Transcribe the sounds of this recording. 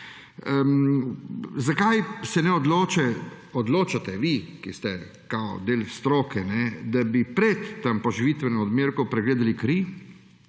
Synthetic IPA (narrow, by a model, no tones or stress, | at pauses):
zakajsɛnɛɔd̪loːt͡ʃɛ | ɔd̪loːt͡ʃat̪ɛʋikist̪ɛ | kawd̪eːlst̪ɾoːkɛnɛd̪abipɾɛt̪ːampɔʒiʋit̪ʋɛnoɔd̪meːɾkɔpɾɛɡleːd̪alikɾi